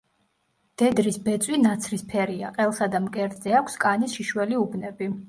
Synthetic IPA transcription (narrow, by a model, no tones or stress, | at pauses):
d̪̥ɛd̪ɾisbɛt̪sʼwinat̪sʰɾispʰɛɾiaqʼɛlˠsad̪amkʼɛɾt̪ʼzɛakʷʰskʼanisʃiʃwɛliubnɛbi